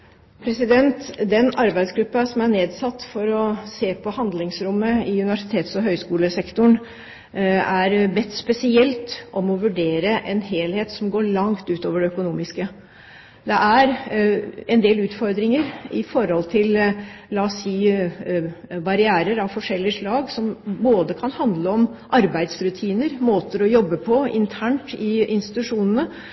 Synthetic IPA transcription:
pʰɾɛsɪd̪ɛnt̪d̪ɛnɑɾbæɪd̪sɡɾʉpːɑsɔmæɳeːd̪sɑt̪ːfɔɾɔseːpʰɔhɑnd̪lɪŋsɾʊmːəɪʉnɪʋæʂɪt̪ʰeːt̪sɔɦœʏskuːləsɛkt̪ʊɳ | æɾbɛt̪ːspɛsɪɛlt̪ʔɔmɔʋʉɖeːɾəʔɛnheːlheːt̪sɔmɡoːɭɑŋt̪ʉːt̪oːʋəɖɛœkʊnuːmɪskə | d̪ɛʔæɾ | ɛnd̪eːlʉːt̪fɔɾd̪ɾɪŋəɾɪfɔɾhɔlt̪ʰɪllɑːsiː | bɑɾɪæːɾəɾɑʋfɔʂɛlːɪəʂɭɑːɡsɔmboːd̪əkʰɑnhɑnd̪ləɔmʔɑɾbæɪd̪sɾʉt̪ʰiːnəɾmoːt̪əɾɔjɔbːəpʰɔɪ̰nt̪ʰæːɳʈɪɪnst̪ɪt̪ʉʂuːnənə

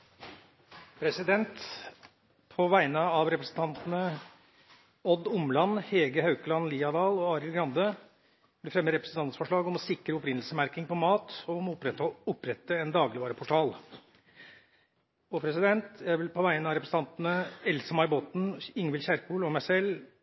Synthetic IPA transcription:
pʰɾɛsɪd̪ɛnt̪ | pʰɔʋæɪnəɑʋɾɛpɾəsn̩t̪ʰɑnt̪ənə | ɔd̪ʊmlɑnhɛːɡəhɑʉkəlɑnliːɑd̪ɑːlɔɑːɾɪlɡɾɑnd̪ə | blɪfɾɛmːəɾɛpɾəsn̩ɑnsfɔʂɭɑːɡɔmɔsɪkɾəʊpɾɪnəl̩səmæɾkɪŋpɔmɑːt̪ɔmʊpɾɛʊpɾɛt̪ːəɛnd̪ɑːɡlɪʋɑːɾəpʰʊʈʰɑːl | ɔpʰɾɛsɪd̪ɛnt̪jæɪʋɪlpʰɔʋæɪnəɑʋɾɛpɾəsn̩ʰɑnt̪nəɛlsəmɑɾbɔt̪n̩ɪŋʋɪlçæɾkuːlɔmæɪsɛlː

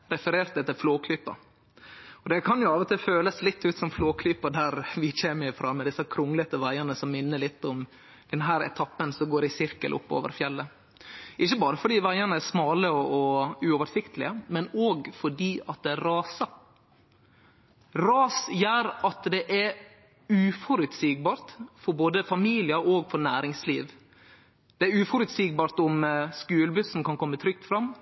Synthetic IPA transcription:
ɾɛfəɾeːɾt̪ɛt̪ːəlfloːkʰlyːpːə̰ | ɔd̪ɛkʰɑnjʊɑːʋət̪ɪlføːləslɪt̪ːʉːt̪sɔmfloːkʰlyːpəd̪æɾʋɪçeːməɾɪfɾɑːmɛd̪ɪsːəkʰɾʊŋːlət̪əʋæɪənəsɔmːɪnːəlɪt̪ːɔm | d̪̥ɛnɦæːɾɛ̰t̪ʰɑpːənsɔmɡoːɾɪsɪɾkə̰lʔʊ̰pːo̰ːʋə̰ɾfjɛlːə | ʔɪçːəbɑːɾəfɔɖiːʋæɪənəæsmɑːləɔɔʉːɔːʋəɾsɪkt̪ʰəlɪ̰əmɛnoːɡfɔɖiːɑt̪̚d̪ɛæɾɾɑːsə | ɾɑːsjæːɾɑt̪d̪ɛʔɛ | ʉːfɔɾʉt̪siːɡ̚bɑːɾt̪fɔɾboːd̪əfɑmiːlɪəɾoːɡfɔɾnæːɾɪŋsliːʋ | d̪̥ɛæɾʉːfɔɾʉt̪siːɡ̚bɑːɾt̪ʊmskʉːləbʉssɔmkɑnkʰɔmːət̪ʰɾʏk̚t̪fɾɑmː

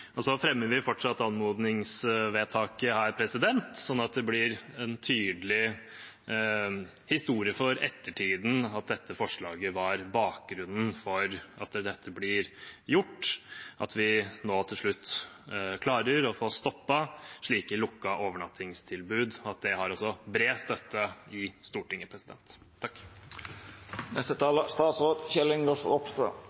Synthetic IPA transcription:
ɔsɔfɾɛmːəɾʋɪfɔʈʂɑt̪ːɑnmoːd̪nɪŋsʋeːt̪ʰɑːkəhæːɾpʰɾɛsɪd̪ɛnt̪sɔnːɑt̪̚d̪ɛblɪɾɛnt̪ʰyːd̪əlɪ | hɪst̪uːɾɪəfɔɾɛ̰t̪ːəʈʰiːd̪n̩ɑt̪̚d̪ɛt̪ːəfɔʂɭɑːɡəʋɑɾbɑːk̚ɡɾʉnːn̩fɔɾɑt̪d̪ɛt̪ʰːəblɪɾjʊʈːʔɑ̰t̪ʰʋɪnoːt̪ʰɪlʂɭʉt̪ː | kʰlɑːɾəɾɔfoːst̪ɔpːəʂɭiːkɪlʊkːɑʔoːʋəɳɑt̪ʰːɪŋst̪ʰɪlbʉːd̪ɑt̪̚d̪ɛɦɑɾɔsɔbɾeːst̪œt̪ːəɪst̪uːʈɪŋːəpʰɾɛsɪd̪ɛ̰nt̪ʰː | ɑk | nɛst̪ət̪ʰɑːləst̪ɑːt̪sʁoːd̪çɛlːɪŋɡɔlfɔpst̪ɾə̰

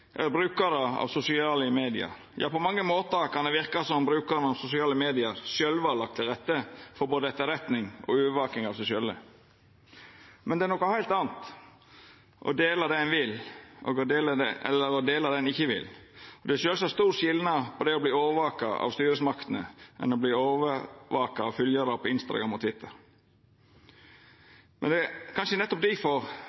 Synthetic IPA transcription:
ʔɛ̰lːəɾbɾʉːkəɾəɑ̰ʋsʊsɪɑːləmeːd̪ɪɑ̰ɾ | jɑ̰ːpɔmɑŋːəmoːt̪əkʰɑnd̪ɛʋɪɾkɑsɔmbɾʉːkɑɾənəɑʋsʊsɪɑːləmeːd̪ɪɑɾsjœlʋɑːlɑk̚t̪ʰɪlɾɛt̪ːəfɔɾboːd̪əɛt̪ːəɾɛt̪nɪŋɔ̰ʉːʋəʋɑːk̪ɪŋɑʋsʊsɪølə̰ | mɛnd̪ɛænɔkːəhæɪlt̪ɑːnt̪ | ʔɔ̰d̪eːlɑd̪ɛnʋɪlʔɔ̰ɡɔd̪eːləd̪ɛɛ̰lːəɾɔd̪eːlɑd̪ɛnɪçːəʋɪ̰lɔd̪ɛæʃøːlsɔhæst̪uːɾʂɪlnɑpʰɔd̪ɛɔbliːoːʋəʋɑːkɑʔɑ̰ʋst̪yːɾəsmɑkt̪ənəʔɛ̰nɔbliːoːʋəʋɑːkɑɑfʉljəɾɑpʰɔɪnst̪ɑ̰ɡɾɑmɔt̪ʰʋɪt̪ʰːəɾ | mʔɛ̰nd̪ɛkʰɑnʂənɛt̪ːɔp̚d̪ɪfɔɾ

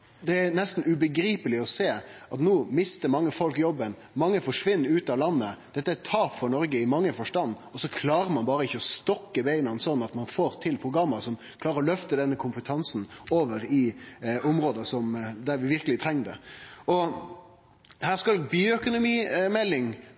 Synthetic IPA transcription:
d̪ɛænɛst̪n̩ʉbəɡɾiːpəlɪɔseːʔɑt̪nuːmɪst̪əɾmɑŋːəfɔlkjɔbːən | mɑŋːəfɔʂʋɪnːɾʉːt̪ɑlɑnːəd̪̥ɛt̪ːəæt̪ʰɑːpfɔɾnɔɾɡəɪmɑŋːəfɔʂʈɑnːɔsɔkʰlɑːɾəɾmɑnbɑːɾəɪçːəɔst̪ɔkːəbeɪnənsɔnːɑt̪mɑnfoːɾt̪ʰɪlpʰɾʊɡɾɑmːəsɔm | kʰlɑːɾəɾɔlœft̪əd̪ɛnːəkʰʊmpət̪ʰɑnsn̩oːʋəɾɪʊmɾoːd̪əsɔmd̪æɾʋɪʋɪɾkəlɪt̪ʰɾɛŋːd̪ɛ̰ɔ | hæːʁskɑlbyːœkʊnʊmiːmɛlːɪŋ

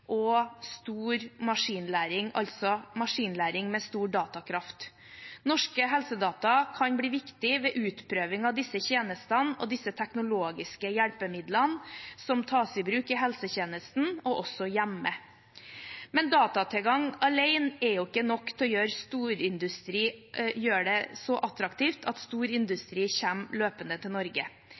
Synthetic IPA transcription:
ʔɔst̪uːɾmɑʂiːnlæːɾɪŋɑ̰lt̪sɔmɑʂiːnlæːɾɪŋmɛst̪uːɖɑːt̪ɑkʰɾɑft̪ | nɔʂkəɦɛlsəd̪ɑːt̪ɑkʰɑnbliːʋɪkt̪ɪʋɛʔʉːt̪pʰɾøːʋɪŋɑʋd̪ɪsːəçeːnəst̪ənɔ̰d̪ɪsːət̪ʰɛknʊloːɡɪskəjæɽpəmɪd̪lənsɔmt̪ʰɑːsɪbɾʉːkɪɦɛlsəçeːnəst̪n̩ɔʔɔsɔjæmːə | mɛnd̪ɑːt̪ɑt̪ʰɛlɡɑŋɑleɪnɛjʊɪkːənɔkːt̪ʰɛɔjøːɾst̪uːɾɪnd̪ʉst̪ɾiːjøːɖɛsɔʔɑt̪ɾɑkt̪ʰiːft̪ʰɑt̪st̪uːɾɪnd̪ʉst̪ɾiːçæmløːpənd̪ət̪ʰɪlnɔɾɡə

